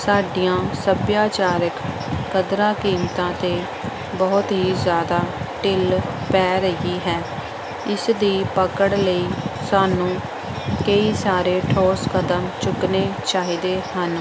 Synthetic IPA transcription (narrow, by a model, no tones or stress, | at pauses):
saːɖijãːsəbjaːt͡ʃaːɾəkː | əd̪ɾãːkiːmt̪ãːt̪eː | bɔːt̪ɦiːzjaːd̪aːʈɪl | pɛːɾəiːɦɛː | ɪsd̪iːpəkəɽləiːsaːnũː | kəiːsaːɾeːʈʰɔːskəd̪əmt͡ʃʊkneːt͡ʃaːɦiːd̪eːhən